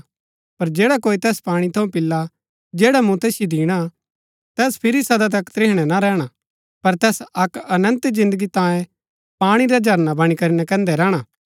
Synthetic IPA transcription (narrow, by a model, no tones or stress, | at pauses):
pɐɾd͡ʒeːɽakoːit̪ɛːspaːɽ̃it̪ʰɐũpɪlːa | d͡ʒeːɽamũt̪ɛːsjod̪iːɽ̃a | t̪ɛːspʰɪɾisɐd̪at̪ɐkt̪ɾɪːɦɽ̃ɛnaɾɛːɽ̃a | pɐɾt̪ɛːsɐkɐnə̃nt̪d͡ʒɪ̃nd̪əɡit̪ãːjẽ | paːɽ̃iɾad͡ʒʱɐɾnabɐɽ̃ikɐɾinɛkɛ̃ːnd̪ɛɾɛːɽ̃aː